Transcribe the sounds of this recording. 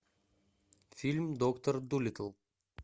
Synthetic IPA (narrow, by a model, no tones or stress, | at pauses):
fʲilʲmd̪okt̪oɾd̪ulʲɪt̪əlˠ